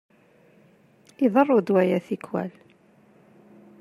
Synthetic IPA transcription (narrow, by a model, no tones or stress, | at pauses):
iðˤərˤːʊd̪wæjæθikːwæ̰l